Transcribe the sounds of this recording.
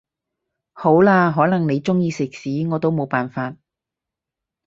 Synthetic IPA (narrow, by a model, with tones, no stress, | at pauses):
ho˨˥wlaː˧ɦɔː˨˥nɐ˨˩ŋne˨˧jt͡sʊ˥ŋjiː˧sɪ˨k̚siː˨˥ŋɔː˨˧t̪o˥wmo˨˧wpaː˨nfaː˧t̚